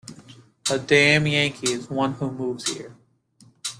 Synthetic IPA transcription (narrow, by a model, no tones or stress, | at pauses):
ədæ̃mjæ̃ŋkʰiɪzwʌ̃nhumuvz̥hḭɹ